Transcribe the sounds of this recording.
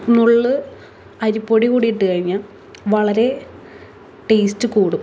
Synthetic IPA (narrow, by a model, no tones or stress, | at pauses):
nuɭːɨ | ɐɾupːoɽikuːɽijiʈːɨkɐɻiɲːaːl | ʋɐɭɐɾe̞ | ʈejstːɨkuːɽu